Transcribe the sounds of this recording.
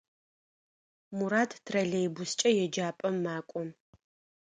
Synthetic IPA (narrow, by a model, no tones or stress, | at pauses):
muɾaːtʰtʰrɐɮejbʊst͡ʃʼɐjɛd͡ʒaːpʼɐmːaːkʷʼɔ